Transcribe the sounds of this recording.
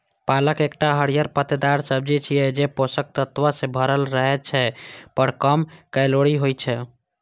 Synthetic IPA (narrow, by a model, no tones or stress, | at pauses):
paləkekʈaɦəɽijəɾpət̪d̪aɾsəb̚d͡ʒit͡ʃʰijɛd͡ʒeposək̚t̪ət̪ʋasẽbʱəɾəlɾəɦɛt͡ʃʰɛpəɽkəmkəloɽiɦojt͡ʃʰɛ